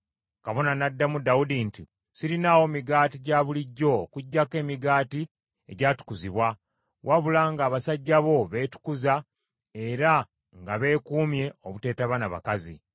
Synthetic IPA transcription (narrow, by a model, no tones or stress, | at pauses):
kaβo̞nanadːamudawudinti | siɾinawo̞miɡaːtiɟaβuliɟːo̞ːkuɟːake̞ːmiɡaːti | e̞̰ɟaːtu̥kuziβwa | wʔaβulaŋɡaːβasaɟːaβo̞βe̞ːtu̥kuza | e̞ɾa | ŋɡaβe̞ːkuːmje̞oβute̞ːtaβanaβa̰kazḭ